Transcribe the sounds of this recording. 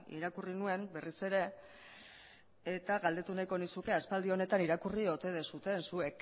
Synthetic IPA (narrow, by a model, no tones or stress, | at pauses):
ḭɾakurinue̞mbe̞rise̞ɾe̞ | t̪aɣald̪e̞t̪unajko̞nisuke̞aspald̪io̞ne̞t̪aniɾakurio̞t̪e̞ð̞e̞sut̪e̞nsue̞k